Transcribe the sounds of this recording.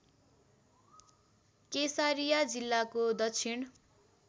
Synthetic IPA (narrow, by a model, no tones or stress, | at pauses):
kesaɾijad͡zilːakod̪ʌkt͡sʰin